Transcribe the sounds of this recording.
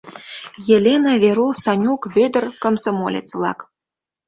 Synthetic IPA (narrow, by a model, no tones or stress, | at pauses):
jelʲenaβʲeɾusɑnʲukβød̪ə̆rkə̆msə̆molʲḛt͡svlɑ̰k